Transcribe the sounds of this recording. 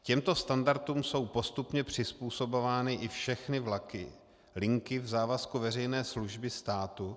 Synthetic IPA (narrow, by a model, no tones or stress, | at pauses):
cɛmt̪o̞st̪andaɾt̪uːmso̞wpo̞st̪upɲɛpr̝̥ɪspuːso̞bo̞vaːnɪʔɪfʃɛxnɪvlakɪ | lɪŋkɪvzaːvaskuvɛrɛjnɛːsluʒbɪst̪aːt̪u